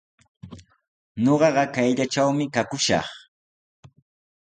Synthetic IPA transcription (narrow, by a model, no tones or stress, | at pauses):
ɲoɢɑɢɑkajʎat͡ʃawmɪkakʊʃɑ̰χ